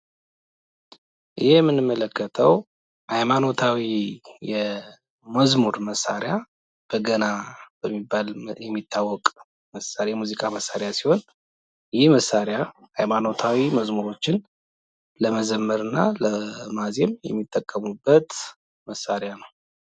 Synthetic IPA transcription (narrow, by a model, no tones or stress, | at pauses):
ʔɨjɛjɛmːɨnɨmːələkːət̪ʰəw | hajmano̞t̪ʰawijɛ | məzmuɾməsa̰ɾja | b̥əɡənab̥əmːibːaljɛmːit̪ʰːawːɔkʼ | məsaɾjɛmuzikʼaməsːaɾjasiho̞n | jɪhməsːaɾja | hajmano̞t̪ʰawiməzmuɾo̞t͡ʃːɪn | ləməzəmːəɾɨnːaləmazemjɛ̰mːit̪ʼːəkʼːəmubːət̪ | məsːaɾejanəw